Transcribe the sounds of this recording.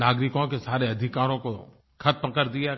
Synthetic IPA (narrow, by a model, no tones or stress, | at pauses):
aːɡɾɪkõkesaːɾeɐd̪ʱɪkaːɾõko | kʰɐt̪̚məkəɾd̪ija